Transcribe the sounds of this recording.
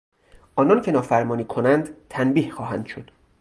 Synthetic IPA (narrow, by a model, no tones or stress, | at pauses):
ʔɒːnɒncʰe̞nɒːfæɾmɒːniːkʰonænd̪t̪ʰænbiːhxɒːɦæ̰nd̪̥ʃod̪̥